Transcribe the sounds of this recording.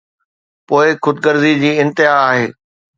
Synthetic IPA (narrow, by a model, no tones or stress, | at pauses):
poːɪxʊd̪̚ɡəɾzid͡ʑiːɪ̃nt̪ɪɦaaːɦeː